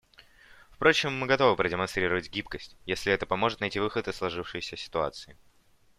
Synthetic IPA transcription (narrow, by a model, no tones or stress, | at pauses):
fpɾo̞t͡ɕɪmːɨɡɐt̪o̞vɨpɾədʲɪmɐnst̪ɾʲiɾəvətʲɡʲipkəsʲtʲjesʲlʲɪɛt̪əpɐmo̞ʐɨt̪nɐjtʲivɨxət̪ɨslˠɐʐɨfʂɨjsʲəsʲɪ̥t̪ʊa̰t̪sɨɪ